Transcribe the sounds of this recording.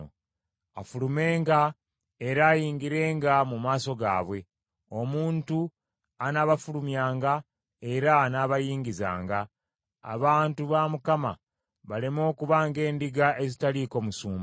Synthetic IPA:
a̰fulume̞ːŋɡa | eɾaːjiːŋɡiɾe̞ːŋɡamumaːso̞ɡa̰ːβwe̞ | o̞muːntu | anaβafulumjaːŋɡa | e̞ɾanaβajiːŋɡiza̰ːŋɡa̰ː | βaːntuβamukama̰ | βale̞mo̞ːkuβaːŋɡe̞ːndiɡaʔe̞zitaliko̞musuːm

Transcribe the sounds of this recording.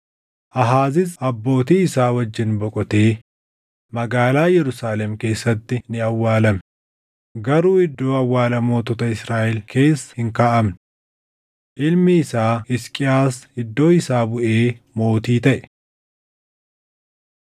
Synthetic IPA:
ʔɐɦaːzɪsɐbːo̞ːt̪iːɪsaːwɐd͡ʒːɪnbɔkʼɔt̪eː | mɐɡaːlaːjɛɾʊsaːlɛmke̞ːsːɐt̪ːɪnɪɐwːaːlɐm | ɡɐɾuːɪd̪ːo̞ːɐwːaːlɐmo̞ːt̪ɔt̪ɐɪsɾaːʔɛlkʰe̞ːsːɐ̥hɪŋkaːʔɐmn | ʔɪlmɪːsaːɪskʼɪaːsɪd̪ːo̞ːɪsaːbʊʔeːmo̞ːt̪iːt̪ɐʔɛ̥

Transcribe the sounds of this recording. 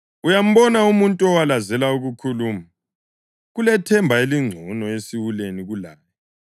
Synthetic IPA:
ujam̩βɔnaumuntʼuɔwalazɛlauɣukʰuluːma | ɣulɛtʰɛmbʱaeliŋ͡ǀʱɔnɔesiwuleniɣulaːjɔ

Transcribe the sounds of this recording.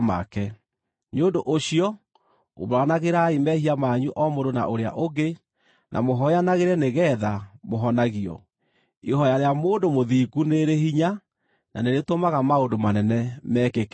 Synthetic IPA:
ma̰kɛ | neondoʔoɕiɔ | o̰βɾanaɣeɾaimɛhiamaɲuʔɔmodona̰ʔoɾea̰ʔoɡe | nʔa̰moɦɔanaɣeɾɛneɣɛːðamoɦɔnaɣiɔ̰ | ihɔjaɾeamoːndomoðiɡuneɾeɦiɲa | na̰neɾetomaɣamaondomanɛnɛmɛkek

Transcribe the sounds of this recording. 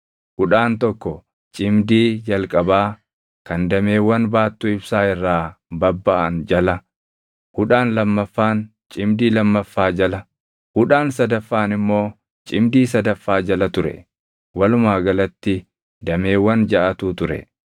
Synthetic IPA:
kʊᶑaːnt̪ɔkːɔ | t͡ʃʼɪmd̪iːd͡ʒɐlkʼɐbaː | kɐnd̪ɐme̞ːwːɐnbaːt̪ːuːɪbsaːɪrːaːbɐbːɐʔɐnd͡ʒɐlɐ | hʊᶑaːnlɐmːɐfːaːn | t͡ʃʼɪmd̪iːlɐmːɐfːaːd͡ʒɐlɐ | kʊᶑaːnsɐd̪ɐfːaːnɪmːo̞ː | t͡ʃʼɪmd̪iːsɐd̪ɐfːaːd͡ʒɐlɐt̪ʊɾɛ̰ | wɐlʊmaːɡɐlɐt̪ːɪ | d̪ɐme̞ːwːɐnd͡ʒɐʔɐt̪uːt̪ʊɾɛ̰

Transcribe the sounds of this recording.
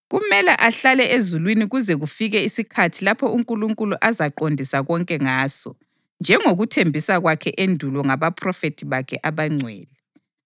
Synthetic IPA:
ɣumɛlaʔaɬalɛʔezulwiniɣuzɛɣufiɣɛisikʰatʰilapʰɔuŋkʼuluŋkʼuluʔazaǃondʱisaɣɔŋkʼɛŋaːsɔ̰ | nd͡ʒʱɛŋoɣutʰembʱisaɣwakʰɛʔendʱulɔŋaβapʰrɔfetʰiβakʰɛʔaβaŋ͡ǀʱwɛ̰ːlɛ

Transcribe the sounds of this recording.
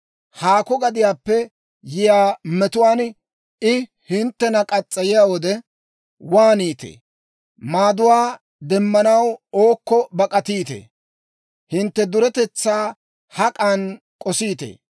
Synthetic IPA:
haːkɔɡɐd̪ɪjaːpːɛ | jɪjaːmɛt̪ʊwaːn | ɪ | hɪnt̪ːɛnɐkʼɐt͡sʼːɐjɪjaːwɔd̪ɛ | waːniːt̪ḛː | maːd̪ʊwaː | d̪ɛmːɐnɐwoːkːɔbɐkʼɐt̪iːt̪ḛː | hɪnt̪ːɛd̪ʊɾɛt̪ɛt͡sːaː | hɐkʼan | kʼɔsiːt̪ḛː

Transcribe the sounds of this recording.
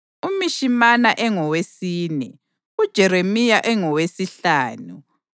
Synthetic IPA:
umiʃimanaʔɛŋɔwesiːnɛ | ud̥ʒ̥ʱɛɾemijaʔɛŋɔwesiɬaːnu

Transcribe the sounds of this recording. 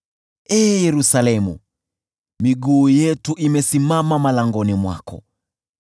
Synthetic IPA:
ɛːjɛɾusalɛmṵ | miɠuːjɛtuʔimɛsimamamalaŋɡɔnimwa̰kɔ̰

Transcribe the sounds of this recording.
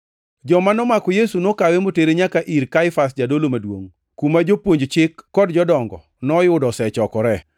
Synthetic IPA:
d͡ʒɔmanɔmakɔjesunokawemoteɾeɲakaʔiɾkaɪfas̬d͡ʒadolomadwo̰ŋ | kumad͡ʒopwoɲd͡ʒt͡ʃɪkːɔdd͡ʒɔdɔŋɡɔ̰ | nɔjʊdɔsɛt͡ʃɔkɔɾɛ

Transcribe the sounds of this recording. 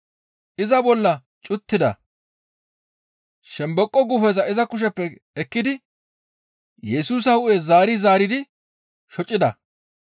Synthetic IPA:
ʔɪzɐbɔlːɐ | t͡ʃʼʊt̪ːɪd̪ɐ̰ | ʃɛmbɔkʼːɔɡʊfɛzɐɪzɐkʊʃ̬ɛpːɛ | ɛkːɪd̪ɪ | jɛsuːs̬ɐhʊʔezaːɾɪzaːɾɪd̪ɪ | ʃɔt͡ʃʼːɪd̪ɐ

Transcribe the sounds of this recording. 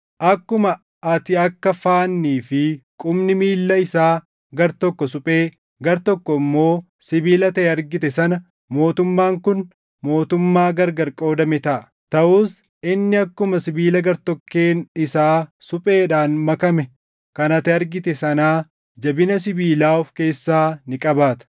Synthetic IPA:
ʔɐkːʊmɐ | ɐt̪ɪɐkːɐfaːnːiːfɪkʼʊmnɪmiːlːɐɪsaː | ɡɐɾt̪ɔkːɔsʊpʼe̞ː | ɡɐɾt̪ɔkːɔɪmːo̞ː | sɪbiːlɐt̪ɐɛɐɾɡɪt̪ɛsɐnɐ | mo̞ːt̪ʊmːaːŋkʊn | mo̞ːt̪ʊmːaːɡɐɾɡɐɾkʼo̞ːd̪ɐmɛt̪ɐʔɐ | t̪ɐʔuːs | ʔɪnːɪɐkːʊmɐsɪbiːlɐɡɐɾt̪ɔkːeːnɪsaːsʊpʼe̞ːᶑaːnmɐkɐmɛ | kɐnɐt̪ɪɐɾɡɪt̪ɛsɐnaː | d͡ʒɐbɪnɐs̬ɪbiːlaːʊfke̞ːsːaːnɪkʼɐbaːt̪ɐ̥

